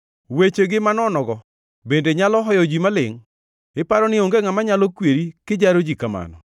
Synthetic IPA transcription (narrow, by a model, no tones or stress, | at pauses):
wet͡ʃeɡɪmanɔnɔɡɔ | bendeɲalɔɦɔjɔd͡ʒimalɪŋ | ɪpaɾɔnɪoŋɡeŋamaɲalɔkweɾikɪd͡ʒaɾod͡ʒikama̰nɔ̰